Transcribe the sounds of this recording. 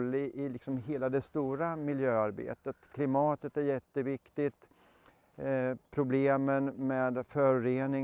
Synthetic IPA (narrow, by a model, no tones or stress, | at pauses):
lːɪʔɪlɪksɔmɦeːlad̪ɛst̪uːɾamɪljøːaɾbḛːt̪ət̪kʰlɪmɑːt̪ət̪æɾjɛt̪ːəvɪkt̪ɪt̪ | pʰɾʊbleːmənmeːd̪fœɾɾeːnɪ